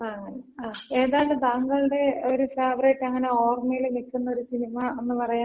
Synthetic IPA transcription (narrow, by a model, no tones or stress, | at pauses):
ɐŋːɐneaːe̞ːðaːɭɨd̪aːŋɡɐɭuɽe̞o̞ɾufaːʋreːʈːɐŋːɐne̞oːrmɐjilnikːunːɐo̞ɾusinimɐenːɨpɐrɐjaː